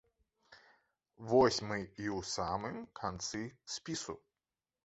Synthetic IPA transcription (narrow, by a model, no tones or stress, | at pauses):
vɔsʲmɨiwsamɨmkʰant̪sɨsʲpʲisu